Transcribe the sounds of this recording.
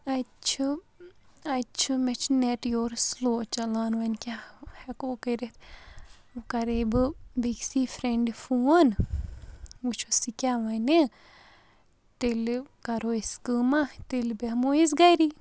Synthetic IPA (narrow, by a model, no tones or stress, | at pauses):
ɐt͡ʃʰu | ɐt͡ʃʰumɛt͡ʃʰneʈjoːɾsloːt͡ʃɐlaːnʋɐnkʲahɛkoːkəɾet̪ʰ | kɐɾebɨbiksiːfɾeɳɖifun | wut͡ʃʰosikʲaːʋɐne | t̪elkɐɾoːiskɨːmat̪elbemois̬ɡɐjɾi